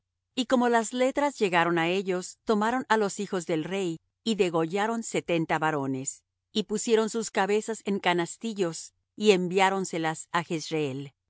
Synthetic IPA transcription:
iko̞mo̞lazle̞t̪ɾazʝe̞ɣaɾo̞nae̞ʝo̞st̪o̞maɾo̞nalo̞sixo̞zðe̞lre̞j | iðe̞ɣo̞ʝaɾo̞nse̞t̪e̞nt̪aβaɾo̞ne̞s | ipusje̞ɾo̞nsuskaβe̞sase̞ŋkanast̪iʝo̞s | ie̞mbjaɾo̞nse̞lasaxesɾeel

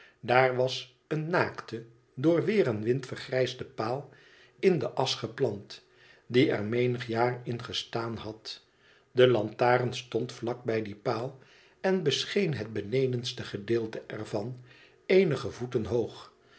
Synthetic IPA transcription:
daːɹʋɑs | ənːaːktə | dʊːɹʋɪːrənʋɪntfərχrɛjzdəpaːlˠ | ɪndəʔɑsχəplɑnt | diɛ̰ɹmejnəχjaːrɪnχəstaːnɑt | dəlɑntaːrənstɔntflɑk̚bɛjdipaːlˠ | ɛnbəsχejnɦəd̚bənejdənstəχədɪːlˠtəʔɛɹvɑn | ejnəχəvutənɦowχ

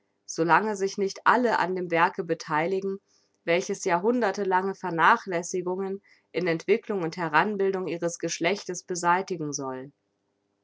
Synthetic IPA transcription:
z̥olaŋəzɪçnɪçtʔaləʔa̰ndeːmvɛɐkəbətʰaɪlɪɡŋ̩ | vɛlçəsjaːɦʊndɐtəlaŋəfɛɐnaːχlɛsɪɡʊŋən | ʔɪnɛntv̥ɪklʊŋʊnthɛʁanbɪldʊŋʔiːʁ̞əsɡ̥əʃlɛçtəsb̥əzaɪtɪɡŋ̩zɔl

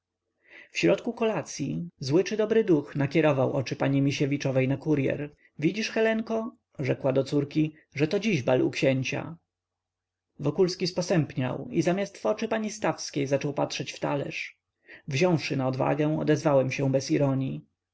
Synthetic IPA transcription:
fɕɾɔt̪kukɔlat̪sʲjizwɘt͡ʂɘd̪ɔbɾɘd̪uxnakʲɛɾɔvawʔɔt͡ʂɘpaɲimʲiɕevʲit͡ʂɔvɛjnakuɾjɛ̰ɾ | vʲid͡ʑiʂxɛlɛŋkɔ | ʐɛkwad̪ɔt̪suɾkʲi | ʐɛt̪ɔd͡ʑiʑbalʔṵkɕɛɲt͡ɕa̰ | vɔkulskʲispɔsɛmpɲa̰wizamʲjast̪fɔt͡ʂɘpaɲist̪afskʲejzat͡ʂɔwpat̪ʂɛt͡ɕft̪a̰lɛ̰ʂ | vʑɔ̃w̃fʂɘnaɔd̪va̰ɡɛ̃ɔ̰d̪ɛzvawɛmɕɛ̃w̃bɛsiɾɔɲi

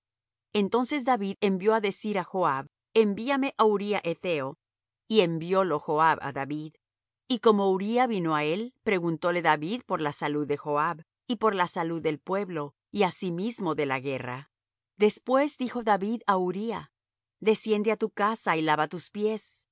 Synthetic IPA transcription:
e̞nt̪o̞nse̞z̬ðaβiðe̞mbjo̞aðe̞siɾaxoaβ | embiame̞ʔauɾiaʔet̪e̞o | iembjo̞loxoaβa̰ðaβið | iko̞mo̞uɾiaβino̞ae̞lpɾe̞ɣunt̪o̞le̞ðaβiðpo̞ɾlasaluðːe̞xo̞aβ | ipo̞ɾlasaluðːe̞lpwe̞βlo̞ | iasimizmo̞ðe̞laɣe̞ra̰ | ðe̞spwe̞zd̪ixo̞ðaβiðauɾia | ðe̞sje̞nd̪eat̪ukasailaβat̪uspje̞s

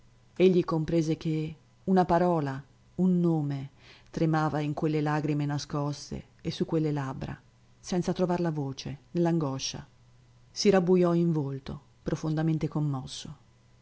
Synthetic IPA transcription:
eʎːikompɾɛːzek̟e | unapaɾɔːla | unːoːmet̪ɾemaːvaiŋkwelːelaɡɾimenaskɔst̪ḛːsukːwelːelabɾa̰ | sɛnt̪sat̪ɾovarlavoːt͡ʃenelːaŋɡɔʃːa̰ | siɾabujɔiɱvolt̪o | pɾofond̪ament̪ekomːɔsːo

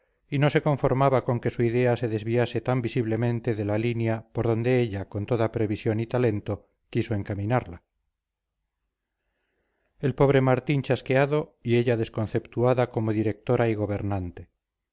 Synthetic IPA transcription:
ino̞se̞ko̞ɱfo̞ɾmaβako̞ŋke̞suiðe̞ase̞ðe̞zβiase̞t̪ambisiβle̞mẽ̞nt̪e̞ðe̞lalinjapo̞ɾðo̞nd̪e̞eʎako̞nt̪o̞ðapɾe̞β̞isjo̞nit̪ale̞nt̪o̞ | kiso̞eŋkamĩnaɾla | e̞lpo̞β̞ɾe̞maɾt̪iɲt͡ʃaske̞aðo̞ie̞ʎaðe̞sko̞nθe̞pt̪uaðako̞moðiɾe̞k̚t̪o̞ɾʔaiɣo̞βe̞ɾnant̪e̞

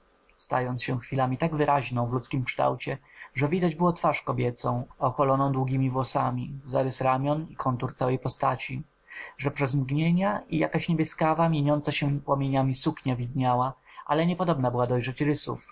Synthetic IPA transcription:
st̪a̰jɔnt̪sɕɛxfʲilamʲit̪aɡvɘɾʔaʑnɔ̃w̃vlutskʲimkʂt̪a̰wt͡ɕɛʐɛvʲid̪ad͡ʑbɘwɔt̪faʂkɔbʲjɛt̪sɔ̃w̃ɔxɔlɔnɔ̃w̃d̪wuɡʲimʲivwɔsamʲizaɾɛsɾamʲjɔnikʰɔnt̪uɾt̪sawɛjpɔst̪at͡ɕi | ʐɛpʂɛzmɡɲeɲaija̰kaɕɲebʲjɛskavamʲjeɲɔnt̪saɕɛpwɔmʲjeɲamʲisukɲavʲid̪ɲawaʔa̰lɛɲɛpɔd̪ɔbnabɘwad̪ɔjʐɛt͡ɕɾɘsṵf

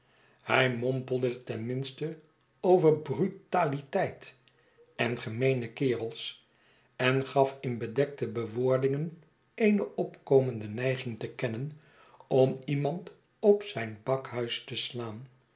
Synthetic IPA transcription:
hɛjmɔmpəlˠdətɛnmɪnstə | owvəɹbrytaːlitɛjt | ɛnχəmejnəkɪːrəlˠs | ɛnχɑfɪnbədɛk̚təbəʋʊːɹdɪŋən | ejnəʔɔpkowməndənɛjχɪŋtəkɛnən | ɔmimɑnt | ɔpsɛjnbɑkhœɥstəslaːn

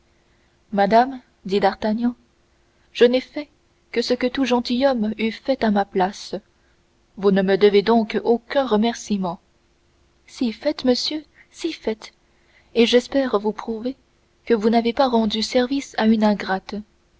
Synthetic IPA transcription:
mad̪am | d̪id̪aʁt̪aɲjɑ̃ | ʒ̥ənɛfɛ | kəsəkət̪uʒɑ̃t̪ijɔmyfɛt̪amaplas | vunəməd̪əved̪ɔ̃kokʲɛ̃ʁəmɛʁsimɑ̃ | sifɛt̪məsjø | sifɛt̪ | eʒɛspɛʁvupχuve | kəvunavepaʁɑ̃d̪ysɛʁvisaynɛ̃ɡʁat̪

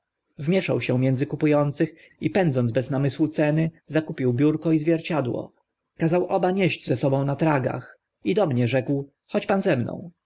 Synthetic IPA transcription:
vmʲjɛʂa̰wɕɛ̃mjɛnd̪zɘkupujɔnt̪sɘx | ipɛnd̪zɔnzbɛznamɘswut̪sɛnɘzakupʲiwbʲjuɾkɔizvʲjɛɾt͡ɕad̪wɔ̰ | kazawʔɔbaɲeʑd͡ʑzɛsɔbɔ̃w̃nat̪ɾaɡa̰x | id̪ɔmɲɛʐɛkw | xɔt͡ɕpanzɛmnɔ̰̃w̃

